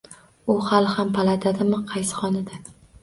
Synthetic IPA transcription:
ʊhalˠhampʰalˠad̪ʰad̪ɪmɪqʰɑjsɪ̥χɒnɪd̪a

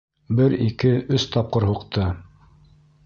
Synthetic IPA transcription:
bɘɾikɘʔɵst̪ɑp̚qɤɾɦuqt̪ʰɤ

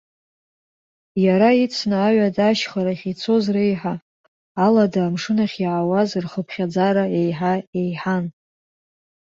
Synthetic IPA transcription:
jaɾait͡sʰnaːɥadaʃχaɾaχʲit͡sʰo̞zrejħaː | ladaːmʂɨnaχʲjʕawazrχəpʰχʲad͡zaɾae̞jħae̞jħan

